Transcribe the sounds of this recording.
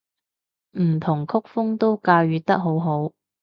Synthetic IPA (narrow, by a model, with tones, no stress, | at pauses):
m̩˨˩t̪ʰʊ˨˩ŋkʰʊ˥k̚fʊ˥ŋt̪o˥wkaː˧wjyː˨t̪ɐ˥k̚ɦo˨˥wɦo˨˥w